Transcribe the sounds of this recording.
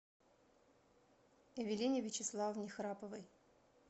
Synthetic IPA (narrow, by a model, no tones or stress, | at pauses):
ɐvʲɪlʲinʲɪvʲɪt͡ɕɪslˠavnʲɪxɾapəvəj